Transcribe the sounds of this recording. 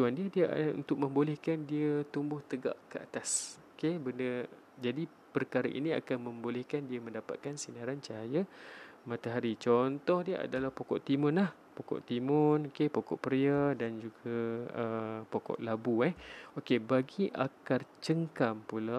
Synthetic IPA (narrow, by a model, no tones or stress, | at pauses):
t͡ʃuandiədiəʔṵnt̪ʊk̚mə̃mbolɛhkandiət̪umbʊht̪əɡa̰ʔkəa̰t̪asokebəndə | d͡ʒadi | pərkaɾaʔḭnia̰kanmə̃mbolɛhkandiəmə̃ndapa̰t̪̚kansinaɾant͡ʃaajamãt̪aɦaɾit͡ʃɔnt̪ɔhdiəʔa̰dalahpokɔ̰ʔt̪imʊnlah | pokɔ̰ʔt̪imʊnokepokɔ̰ʔpəɾiadand͡ʒuɡaəpokɔ̰ʔlabuɛokebaɡiʔa̰kart͡ʃəŋkampula